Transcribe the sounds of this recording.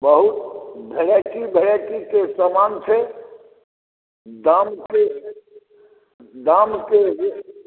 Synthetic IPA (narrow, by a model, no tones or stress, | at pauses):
bəɦut̪bʱeɾekibʱəɽakikesəmant͡ʃʰe | d̪amke | d̪amkeʋ